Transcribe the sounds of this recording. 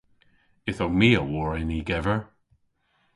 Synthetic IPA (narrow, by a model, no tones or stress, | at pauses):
ɪθomiːəwɔɹɛniɡɛvə˞